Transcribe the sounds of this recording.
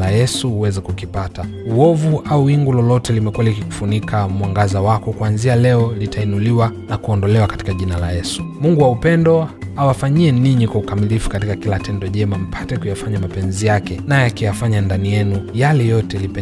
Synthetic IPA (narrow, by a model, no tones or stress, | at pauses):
lajɛsuuwɛzɛkukipata | uɔvuʔauwiŋɡulɔlɔtɛlimɛkuwalikiku̥funikʰamwaŋɡazawakɔkwanzialɛɔlitʰainuliwanakuɔndɔlɛwakḁti̥kaʄinala̰jɛsu̥muŋɡuwaupɛndɔ | awafaɲiɛniɲikwaukamilifu̥katikakilatɛndɔʄɛmam̩pʰatɛkujafaɲamapɛnzijakɛnajɛakɛjafaɲandanijɛnujalɛjɔtɛlipɛ